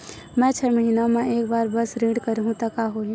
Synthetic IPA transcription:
mɛ̃t͡ʃʰɛməɦinamɛ̃eːk̚baːɾbəsɾiːɽkəɾɦũt̪ɐkaɦoɛ̃

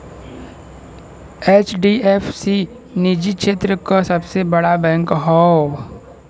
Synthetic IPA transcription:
eːt͡ʃɖiefsi | nid͡ʒiʃeːt̪ɾəkasɐbsebəɽabɛ̃ːŋkɦɔː

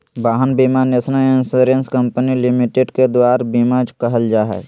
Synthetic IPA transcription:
baːɦənbimanesnaensoːɾenskəmpənilɪmiʈeɖked̪waːɾbimad͡ʒkəɦəld͡ʒaːɦɛ̰ː

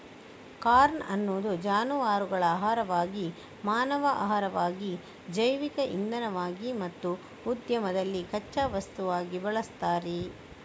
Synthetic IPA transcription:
kaːɾnɐnːoːd̪ud͡ʒaːnuʋaːɾuɡɐɭɐaːɦaːɾɐʋaːɡi | maːnɐʋɐʔa̰ɦɐɾɐʋaːɡi | d͡ʒɐjʋikɐʔḭnd̪ɐnɐʋaːɡimɐt̪ːuː | d̪jɐmɐd̪ɐlːikɐt͡ʃːɐʋɐst̪uʋaːɡibɐɭɐst̪aːɾi

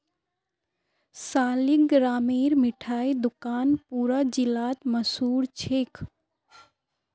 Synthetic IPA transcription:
saːliɡɾaːmeːɾmɪʈʰaːid̪ʊkaːnpuːɾad͡ʒɪlaːt̪məsuːɾt͡ʃʰeːkʰ

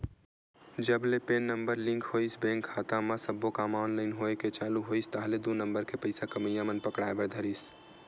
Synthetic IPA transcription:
d͡ʒəblepeːnːəmbəɾlɪ̃ŋkʰhoisbẽːŋkʰːaːt̪ãmãsəbːokaːmaːnləɪnɦoeket͡ʃaːluɦoːist̪aɦled̪unəmbəɾkepəɪsakəməjãmənpəkɽaːebəɾd̪ʱəɾis

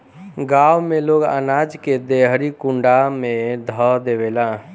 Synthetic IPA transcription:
ɡawmeloɡa̰nad͡ʒked̪eɦɾikuɳɖamed̪ʱɔd̪ebela

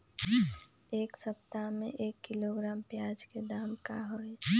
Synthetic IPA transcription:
eːksəp̚t̪amḛ̃ʔeːkːiloɡɾaːmpjaːd͡ʒked̪aːmkaɦoe

